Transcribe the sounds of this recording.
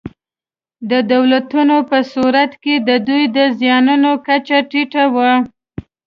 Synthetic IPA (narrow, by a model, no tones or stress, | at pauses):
d̪əd̪awlat̪unopəsuɾat̪ked̪əd̪ujd̪əzjɑnunokat͡ʃaʈiʈawa